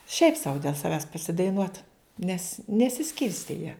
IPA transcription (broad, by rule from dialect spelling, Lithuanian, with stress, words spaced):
ʃʲɛɪp sɐʊ dʲeːlˠ sɐˈʋʲæːs pɐsʲɪdɐɪˈnuɔt nʲɛs nʲɛsʲɪˈsʲkʲɪrʲsʲtʲeː jiɛ